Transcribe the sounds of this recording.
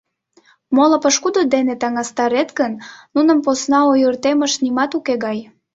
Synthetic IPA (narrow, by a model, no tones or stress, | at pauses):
moləpəʃkud̪od̪enet̪ɑŋɑst̪ɑɾet̪ɡənnunəmposnɑojərt̪eməʃnimɑt̪ukeɣɑj